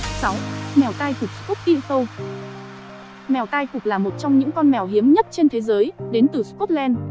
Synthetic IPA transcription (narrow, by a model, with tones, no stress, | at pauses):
sa˨˦wmɛ˨˩wt̪aː˧jfʊ˨˩k͡p̚skɔ˦˥t̚t̪ḭ˧˨sə˧w | mɛ˨˩wt̪aː˧jkʊ˨˩k͡p̚laː˨˩mo˨˩t̚t͡ɕɔ˧wŋ͡mɲɨ̰˧˥ŋkɔ˧nmɛ˨˩wɦi˨˦əmɲə˦˥t̚t͡ɕe˧nt̪ʰe˨˦zəː˨˦jɗe˨˦nt̪ɨ˨˩skɔ˦˥t̚lɛ˧n